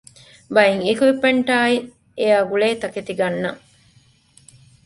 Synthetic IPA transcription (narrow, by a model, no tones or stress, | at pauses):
bɐjiŋikuipɐɳʈaːi | ejaːɡuɭeːt̪ɐket̪iɡɐnːɐ